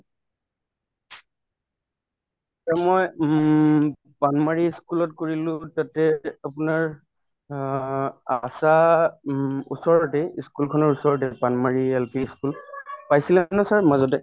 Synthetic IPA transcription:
tamɔj | panmaɹiskulɔt̚koɹilʊ̃tatɛapʊnaɹ | asa | usɔɹɔtɛiskulkʰɔnɔɹusɔɹɔt̬ɛpanmaɹiɛlpiskulpajsilɛnɔsaɹmazɔt̬ɛ

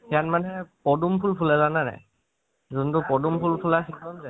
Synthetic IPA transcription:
hijanmanɛpɔdumpʰulpʰulɛzanana̰j | zuntʊpɔdumpʰulpʰulasikɔnzɛ

